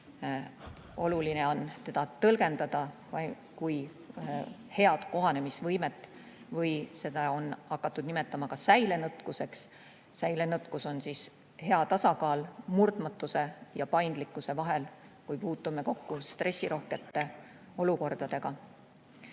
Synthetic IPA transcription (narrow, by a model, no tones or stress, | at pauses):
o̞luline̞o̞nt̪e̞d̪̥ɑt̪ɤlɡ̥e̞nd̪̥ɑd̪̥ɑvɑ | kuj | he̞ɑd̪̥ko̞ɦɑne̞misvɤjme̞t̪ːˑ | vɤjse̞d̪ɑo̞nɑkːˑɑt̪ːˑud̪̥nime̞t̪ːˑɑmɑkɑsæjle̞nɤt̪ˑkuse̞ks | sæjlenɤt̪kuso̞nsis | he̞ɑt̪ɑsɑkɑːlmurd̪mɑt̪ːˑuse̞jɑpɑjnd̪̥likːˑuse̞vɑɦe̞lkujpuːt̪ːume̞ko̞kːust̪re̞sʲːiɾʔo̞hke̞t̪ːe̞ | o̞luko̞rd̪̥ɑd̪̥e̞ɡ̥ɑ